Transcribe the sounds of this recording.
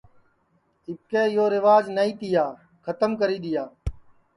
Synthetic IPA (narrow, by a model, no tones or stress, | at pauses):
ɪp̚keːɪjoːɾɪʋaːd͡ʒnəiːt̪ɪjaː | kʰət̪əmkəɾiːɗ̪ɪjaː